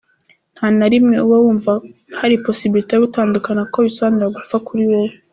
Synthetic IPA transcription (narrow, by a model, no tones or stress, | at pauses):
n̥haːnaɾimŋe̞uwowuːɱvahaɾipo̞sibiɾiteoɡutaːndukanakoβisoandeaɡufakʰuɾiwejo